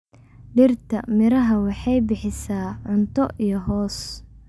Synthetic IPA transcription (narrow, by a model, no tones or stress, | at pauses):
ɖɪrt̪ʰɐmɪɾɐɦɐwɑħɑjbɪħɪsaːʕʊnt̪ʰɔijɞɦɔːs